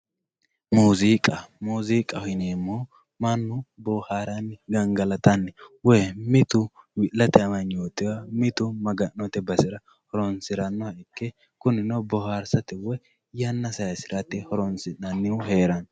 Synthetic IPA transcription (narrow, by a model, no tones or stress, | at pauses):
muːzikʼɐmuːziːkʼɐhɪneːmːoː | mɐnːʊbɔhaːɾɐnɡɐŋɡɐlɐt̪ɐnːɛwemɪt̪ʊwɪlːɐt̪ɛɐmɐnjoːt̪ːɪwɐmɪt̪ʊmɐɡɐʔnːɔt̪ɛbɐsɪɾɐ | hɔɾɔnsɪɾɐnːɔhɐɪkːɛ | kʊnɪnobɔhaːɾsɐt̪ɛwɔ | jɐnːɐsɐjɐsɪɾɐt̪ːɛhɔɾɔnsɪnɐnːɪwʊɦeːɾɐn